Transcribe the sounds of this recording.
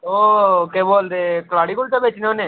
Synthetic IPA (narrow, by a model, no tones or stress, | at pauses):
oːkeboːld̪ekəlaːɽikʊlt̪ebeːt͡ʃneone